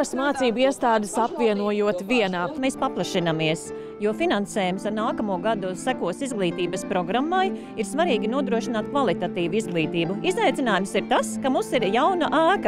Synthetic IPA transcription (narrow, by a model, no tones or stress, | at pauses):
asmaːt̪siːbuiɛst̪aːd̪ɪsapviɛnuɔjuɔt̪vʲiɛnaːmeːspaplˠɐʃinamiɛs | juɔfinanseːjumsaɾnaːkɐmuɔɡad̪usækuɔsizɡlˠiːt̪iːbɐspɾɔɡɾamːaj | iɾsvaɾiːɡʲinuɔd̪ɾuɔʃinaːt̪̚kvalˠit̪at̪iːʋuizɡlˠiːt̪iːbuizajt̪sʲinaːjumsiɾt̪askamumsiɾjawnaʔæːkɐ